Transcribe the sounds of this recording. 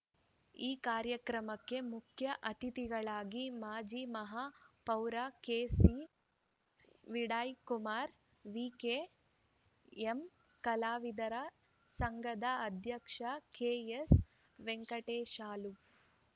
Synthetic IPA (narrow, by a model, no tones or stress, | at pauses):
iːkaːɾjɐkɾɐmɐkːe̞mukʰjɐʔɐt̪it̪iɡɐɭaːɡimaːd͡ʒiːmɐɦapɐwɾakeːsi | ʋiɽaːjkumaːɾ | ʋiːkeː | em | kɐlaːʋid̪ɐɾɐ | sɐŋɡɐd̪ɐɐd̪ʱjɐkʂɐkeːes | ʋeŋkɐʈeːʃaːlu